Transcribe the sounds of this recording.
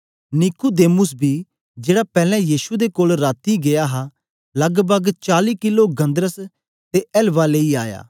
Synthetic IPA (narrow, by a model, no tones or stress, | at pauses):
nɪkud̪eːmʊsbʱiː | d͡ʒeːɽapɛːlɛ̃jiːʃud̪ekoːlɾaːt̪iɡejaɦa | lɐɡbəɡt͡ʃaːliːkɪloɡɐ̃nd̪ɾəs | t̪eɛlʋaleːiaːja̰ː